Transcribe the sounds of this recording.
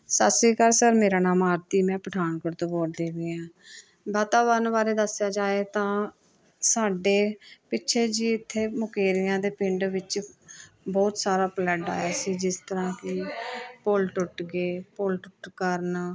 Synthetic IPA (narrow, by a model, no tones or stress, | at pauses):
sasiːkəɾsəɾmeːɾaːnaːmaːɾt̪iːmɛ̃ːpəʈʰaːnkəɾt̪oːboːʈd̪eːʋiːãː | baːt̪aːʋəɾnbaːɾeːd̪əsɪjaːd͡ʒaːeːt̪ãː | saːɖeːpɪːʃʰeːd͡ʒiːɪt̪ʰːeːmʊkeːɾɪjãːd̪eːpɪɳɖʋɪt͡ʃ | bɔːt̪saːɾaːplɛɖa̰ːjaːsiːd͡ʒɪst̪əɾãːkɪpʊlʈʊʈɡeːpʊlʈʊʈkəɾn